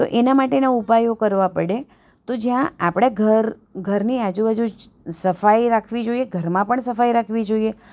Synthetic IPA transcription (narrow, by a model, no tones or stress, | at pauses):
t̪o̰ʔenamaʈenaupajokəɾʋapəɽe | t̪od͡ʒjãapɽ̃eɡʱəɾ | ɡʱəɾniad͡ʒũbad͡ʒu | səfaiɾakʰʋid͡ʒoieɡʱəɾmãpəɳsəfajɾakʰʋid͡ʒoie